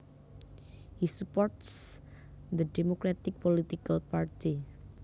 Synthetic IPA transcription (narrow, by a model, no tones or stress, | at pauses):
hisupɔɾt̪s | d̪ədemokɾat̪ɪk̚polit̪ikalpart̪i